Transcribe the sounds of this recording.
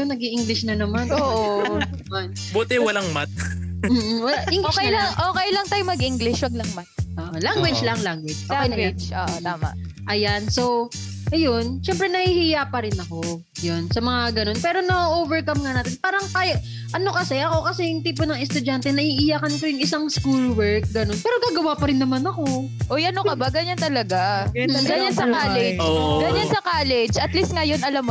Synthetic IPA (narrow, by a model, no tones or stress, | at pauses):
jonɐɡiʔɪŋɡlɪʃnɐnɐmanʔoːʔoɐɐman | bot̪ɛwɐlaŋmat̪̚m̩ːwɐlaʔʔɪŋɡɪʃejaŋʔoːkɛjlɐŋt̪aːjʊmɐɡʔiŋɡlɪʃwɐɡ̚lɐŋmat̪̚oʔolaŋɡwɪd͡ʒlaŋlaŋɡwɪd͡ʒʔoland͡ʒoʔ̪aːma̰ | ʔɐjanso̞w | ʔɐjo̞nʃɛmpɾɛnɐhihijapɐɾɪnɐko̞ | jonsɐmɐŋaɡɐno̞npɛːɾo̞nɐʔovɛɹkɐmŋanaːt̪ɛnpaːɾɐŋt̪aːjoʔ | ʔɐno̞kɐsɛʔɐko̞kɐsɛjʊŋt̪iːp̬onɐŋɛst̪ʊd͡ʒant̪ɛnɐʔiʔɪjakɐnk̪ojʊŋɪsaŋskulwɛɹk̚ɡɐno̞npɛːɾoɡaːɡɐwaːpɐɾɪnːɐmanɐko̞ | ʔojɐnokɐbaɡɐɲant̪ɐlɐɡaɡɐɲansɐkaːlɛd͡ʒɡɐɲansɐkaːlɛd͡ʒɐt̪list̪̚ŋajonɐlam